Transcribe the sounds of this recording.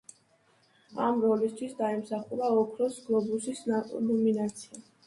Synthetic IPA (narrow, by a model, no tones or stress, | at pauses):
a̰mɾɔlist̪ʰwisd̪aɛmsaχulaɔkʰɾɔsɡlˠɔbusisnɔminat̪sʰia